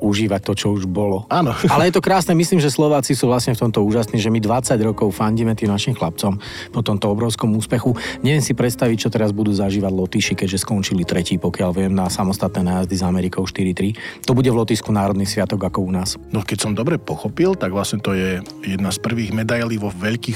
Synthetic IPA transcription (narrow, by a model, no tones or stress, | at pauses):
uʒiːʋac̚t̪ɔt͡ʃɔuʒbɔlɔaːnɔalɛjɛt̪ɔkɾaːsnɛmisliːmʒɛslɔʋaːt͡sisuːʋlasɲɛft̪ɔmt̪ɔuːʒasniːʒɛmid̪ʋat͡saɟɾɔkɔʊfaɲɟiːmɛt̪iːmnaʃimxlap̚t͡sɔm | pɔt̪ɔmt̪ɔɔbɾɔʊskɔmuːspɛxuɲɛʋɪɛnsipɾɛt̪st̪aʋic̚t͡ʃɔt̪ɛɾazbud̪uːzaʒiːʋaɟlɔt̪iːʃikɛɟʒɛskɔnt͡ʃilit̪ɾɛciːpɔkɪaʎʋɪɛmnasamɔst̪at̪̚nɛːnaːjazd̪izamɛɾikɔʊʃt̪iɾit̪ɾit̪ɔbuɟɛvlɔt̪iskunaːɾɔd̪niːsʋɪat̪ɔɡakɔunaːsnɔkɛcsɔmd̪ɔbɾɛpɔxɔpilt̪aɡʋlasɲɛt̪ɔjɛjɛd̪naspr̩ʋiːɣmɛd̪ajliːʋɔʋɛʎkiːx